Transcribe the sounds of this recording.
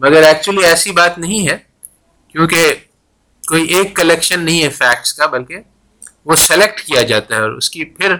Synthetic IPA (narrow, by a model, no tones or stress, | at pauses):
mɐɡəɾɛːk̚t͡ʃuəliɛːsibaːt̪nɐɦĩɦɛː | kjõːke | koːiʔeːkːɐlekʃənːɐɦĩɦɛfɛːk̚ʈskabɐlke | ʋosɛlek̚ʈkijad͡ʒaːt̪aɦɛɔːɾʊ̰skipʰɪɾ